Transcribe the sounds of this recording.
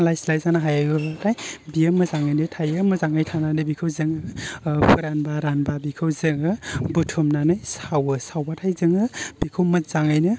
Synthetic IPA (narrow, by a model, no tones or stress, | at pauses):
lajslajzanaɦajajɡɯbatʰajbiɯmɯzaŋajnɯtʰajɯmɯzaŋajtʰananɯbikʰɯwzɯŋɯpʰuɾanbaɾanbabikʰɯwzɯŋɯbutʰumnanɯjsawɯsawbatʰajzɯŋɯb̥ikʰɯwmɯt̚z̥aŋajnɯ